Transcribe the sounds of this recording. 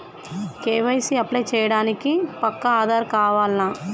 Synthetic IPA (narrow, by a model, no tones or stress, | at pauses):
keːʋɐjsiɐplɐjt͡ʃɛːjɐɽaːnikipɐkːɐaːd̪ʱaːɾkaːʋaːlnaː